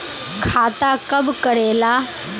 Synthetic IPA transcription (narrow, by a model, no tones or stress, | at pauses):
kʰat̪akəbkəɽela